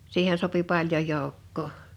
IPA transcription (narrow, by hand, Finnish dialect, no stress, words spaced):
siːhen sopi pɑljon̞ joˑukːoː